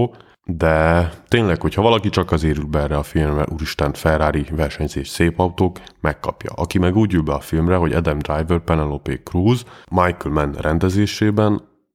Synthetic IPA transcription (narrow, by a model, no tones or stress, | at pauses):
d̪ɛt̪eːɲlɛkho̞chɒvɒlɒkit͡ʃɒkɒzeːɾylbɛɛrɛɒfilmrɛ̰ʔuɾiʃt̪ɛnfɛraːɾivɛrʃɛɲzeːʃseːpɒwt̪oːkmɛkːɒ̰pjɒ̰ʔɒkimɛɡuːɟylbɛɒfilmrɛɦo̞ɟɛ̰d̪ɛmd̪rajvɛrpɛnɛlopeːkruːzmajkylmɛnrʔɛnd̪ɛzeːʃeːbɛn